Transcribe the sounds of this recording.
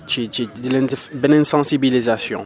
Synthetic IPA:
t͡ʃit͡ʃidlɛbɛnɛ̃nsɑ̃sibilizasjɔ̰̃

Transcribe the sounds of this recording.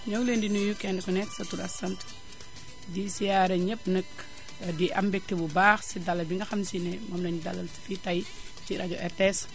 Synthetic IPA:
ɲɐwlendinujukɛndɛkɔnɛtsɐtuɾɐsɐnt | disijaɾɛɲəp̚nək | diʔɐmbɛk̚tɛbubaːxsidalːɐlbiŋɡɐxɐmsinɛmɔːmlɐnidalːɐlsi̥fitɐj | ciɾʔaɟɔʔɛɾtɛs

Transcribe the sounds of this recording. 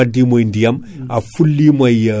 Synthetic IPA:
ɐdimojndijɐm | afulːimɐj

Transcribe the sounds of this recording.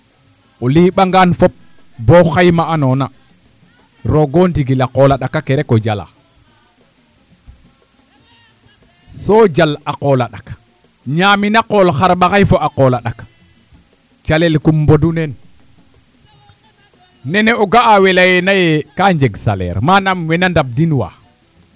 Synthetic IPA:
oliːɓaŋɡanfop̚ | boxajmaʔanona | ɾoɡontiɡilaqolaɗakːakeɾekod͡ʒala̰ | sod͡ʒalaqolaɗak | ɲaːminaqolxaɾɓaxajfoʔaqolaɗak | t͡ʃalelkumbodunen | nɛneoɡaːwelajenajekaɲd͡ʒeɡsa̰lḛɾmanamwenandab̚dinwa̰

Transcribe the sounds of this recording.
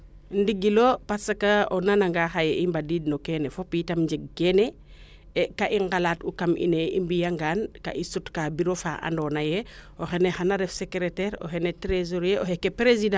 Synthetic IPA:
ndiɡilopasakaonanaŋɡaxajeʔimbadiːd̚nokenefopitamɲd͡ʒeɡ̚ːene | ekaʔiŋɡalatukamʔḭneḭmbijaŋɡaːnka̰ʔisutkabiɾofa̰a̰ndonajeoxenexanaɾefsekɾeteɾo̰xenetɾezoɾjeʔohekːepɾezidã

